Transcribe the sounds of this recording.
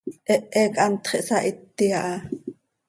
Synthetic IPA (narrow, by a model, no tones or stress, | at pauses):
ʔɛʔːɛkʼʔɑnt̪χiʔsɑʔit̪ːiɑʔɑ